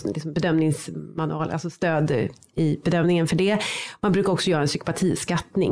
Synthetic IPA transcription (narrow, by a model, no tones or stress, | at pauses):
lɪksɔmbɛd̪œmnɪŋsmanɵɑːl̰a̰lsɔst̪øːd̪ | ɪbɛd̪œmnɪŋənfœɖɛmanbɾʉ̟kaɾɔksɔjœːɾaɛnsʏkʊ̥pat̪ʰiːskat̪nɪ̰ŋ